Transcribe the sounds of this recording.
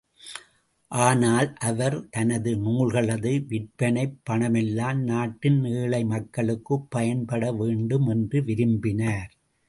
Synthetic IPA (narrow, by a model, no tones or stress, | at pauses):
ʔaːnaːlʔɐʋɐɾt̪ɐnɐðɯnuːɭɣɐɭɐðɯʋɪʈpɐnɐɪpːɐɳɐmɛlːaːnnaːʈːɪnneːɭɐɪmɐkːɐɭɯkːɯpːɐjɐnpɐɽɐʋeːɳɖɯmɛndrɯʋɪɾɯmbɪnaːɾ